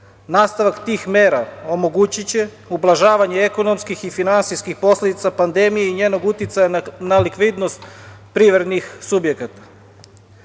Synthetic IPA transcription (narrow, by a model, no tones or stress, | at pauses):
naːst̪aʋakt̪iːxme̞ːɾao̞mo̞ɡut͡ɕit͡ɕe̞ | ublˠaʒaːʋaɲeeko̞no̞mskixifinansijskixpo̞sled̪it̪sapand̪e̞mije̞iɲe̞ːno̞ɡut̪jit̪sajanalikʋiːd̪no̞st̪pɾiʋɾed̪nixsubjekat̪ḁ